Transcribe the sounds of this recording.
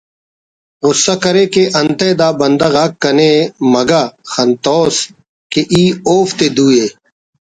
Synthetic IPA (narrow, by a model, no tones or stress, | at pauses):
ɣʊsːaːkəɾeːkeːʔənt̪eːd̪aːbənd̪aːɣaːkːəneːmɐɡaːxɐnt̪oːs | keʔiːoːft̪eːd̪uːeː